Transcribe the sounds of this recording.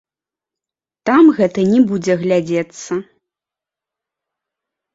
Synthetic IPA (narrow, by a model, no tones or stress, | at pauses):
t̪amɣɛt̪ɐnʲɛbud͡zʲɛɣlʲad͡zʲet̪sːɐ